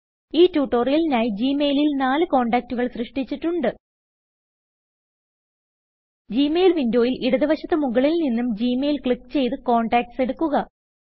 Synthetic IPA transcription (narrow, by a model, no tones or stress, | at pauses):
iːtːuːʈːoːrijɐlinaːjid͡ʑiːmeːlilnaːlɨko̞ːɳɖaːk̚tːuɣɐɭsrɨʂʈit͡ɕːiʈːuɳɖɨ | d͡ʑiːmeːlʋindo̞ːjilʔiɽɐðiʋɐɕɐt̪ːɨmuɣɐɭilninːumd͡ʑiːmeːlkɭikːt͡ɕe̞jt̪ɨko̞ːɳɖaːk̚ʈse̞ɽukːuɣɐ